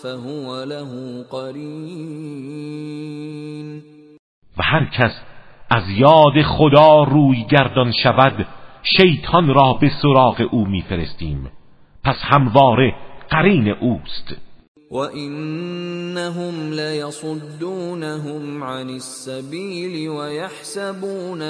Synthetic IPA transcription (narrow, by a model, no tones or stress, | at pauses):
faɦʊwalaɦuːqɑɾiː | n | væhæɾkʰæs | ʔæzjɒːd̪e̞χod̪ɑːruːjɡæɾd̪ɒnʃævæd̪ʃejt̪ʰɒnɾɒːbe̞soɾɑːɣe̞ʔuːmiːfe̞ɾe̞st̪ḭːm | pʰæshæmvɒːɾe̞ɢ̥æɾiːne̞ʔuːst̪ | waʔɪnː | aɦʊmlajɑsˤʊd̪ːuːnaɦʊmʕanɪsːabiːlwajaħsabuːn